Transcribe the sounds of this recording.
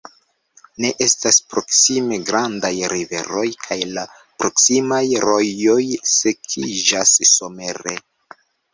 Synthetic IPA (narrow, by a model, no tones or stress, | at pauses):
ne̞ʔe̞staspɾo̞ksime̞ɡɾandajɾive̞̰ɾo̞jkʰajla | pɾo̞ksimajɾo̞jo̞jse̞kʰid͡ʒasːo̞me̞ɾe